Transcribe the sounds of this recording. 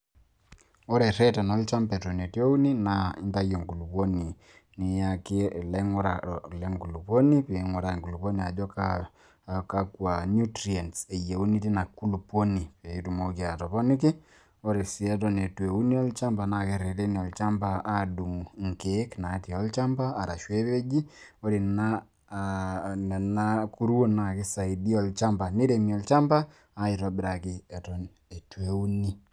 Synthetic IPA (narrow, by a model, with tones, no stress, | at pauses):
ɔ˦ɾɛ˨ɾɛ˦tɛ˨nɔ˦lt͡ʃa˦mpɛ˨tɔ˨ne˨ti˦e˦u˦ni˦na˨ɪ˦nta˦jɔ˨ŋku˨lu˨po˦ni˨ | nɪ˨ja˨kɪ˦˨lɛ˦ŋɔ˦ɾa˨lɛ˦ŋku˨lu˨po˦ni˦pe˨˦ŋɔ˨ɾa˨ŋku˨lu˨po˦ni˨a˨d͡ʒɔ˦ka | ka˦kwa˨nu˦tɾi˨ɛ˨ntsɛ˨je˨u˦ni˦ti˦na˨ku˦lu˨po˦ni˨pe˨i˦tu˨mo˦ki˨a˨tɔ˨pɔ˦nɪ˦k̬ɪ˦ | o˦ɾe˨si˦ɛ˦tɔ˦ne˨twe˨u˦ni˦ɔ˦lt͡ʃa˦mba˨na˨ke˨ɾe˨ɾe˦ni˨ɔ˨lt͡ʃa˦mba˦a˦du˨mŋ̩˨kekna˨˦tɔ˦lt͡ʃa˦mbaː˦˨ɾa̰˨ʃwe˦βe˦ɡi˦ | o˦ɾi˨na˦ | n˨na˦ku˦ɾwo˦na˨kɪ˦sa˨idi˦ɔ˦lt͡ʃa˦mba˨ni˦ɾemi˨ɔ˨lt͡ʃa˦mbaː˦ | i˨ɾɔ˦bɪ˦ɾa˨kɪ˨ɛtɔ˨n | e˨twe˨u˦ni˦